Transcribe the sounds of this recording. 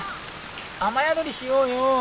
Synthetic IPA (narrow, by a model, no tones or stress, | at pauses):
amajad̪oɾʲiɕijoːjo